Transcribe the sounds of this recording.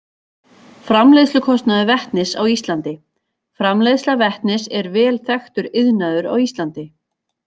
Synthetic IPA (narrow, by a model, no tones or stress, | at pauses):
fɾamlejðslʏkʰɔst̪naðʏvɛht̪nɪsa̰wist̪lant̪ɪ | fɾamlejðslavɛht̪nɪsɛɾvɛːlθɛxt̪ʏɾɪðnaðʏɾa̰wist̪lant̪ɪ